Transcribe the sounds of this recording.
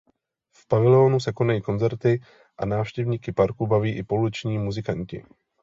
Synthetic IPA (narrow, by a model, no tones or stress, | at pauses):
fpavɪlɛo̞ːnusɛko̞najiːko̞nd͡zɛɾt̪ɪ | ʔa̰naːfʃcɛvɲiːkɪpaɾkubaviːʔɪpo̞lɪt͡ʃɲiːmuzɪkaɲcɪ̰